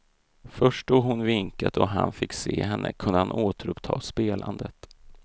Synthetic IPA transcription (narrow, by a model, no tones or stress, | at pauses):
fœʂʈ̚d̪oːɡhʊnvɪŋkat̪ɔɦanfɪkːseːɦɛnːʔəkʰɵnd̪əhanʔoːt̪əɾɵpt̪ʰɑːspeːlʔand̪ət̪